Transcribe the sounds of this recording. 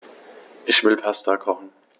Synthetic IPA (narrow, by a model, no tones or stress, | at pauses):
ʔɪçv̥ɪlpʰastakʰɔχn̩